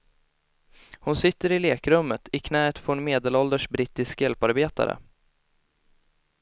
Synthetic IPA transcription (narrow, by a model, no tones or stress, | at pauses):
hʊnsɪt̪ːəɾɪleːkɾɵmːət̪ʰɪkʰnɛːət̪fɔnmeːd̪ɛlɔld̪əʂbɾɪt̪ːɪskjɛlpaɾbeːt̪a̰ɾə̰